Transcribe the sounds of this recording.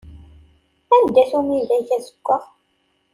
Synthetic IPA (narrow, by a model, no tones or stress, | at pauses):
ænd̪ːæθumilæjçæsə̥ɡʷːəʁ